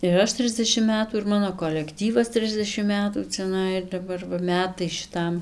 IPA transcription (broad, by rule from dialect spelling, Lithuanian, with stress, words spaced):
ɪr ˈɐʃ ˈtʲrʲɪzʲdʲɛʃʲɪm ˈmʲæːtuː ɪr ˈmɑːnoː koːlʲɛkˈtʲiːʋɐs ˈtʲrʲɪzʲdʲɛʃʲɪm ˈmʲæːtuː t͡sʲɛˈnɐɪ ɪr dɐˈbɐr ʋɐ ˈmʲæːtɐɪ ʃʲɪˈtɐm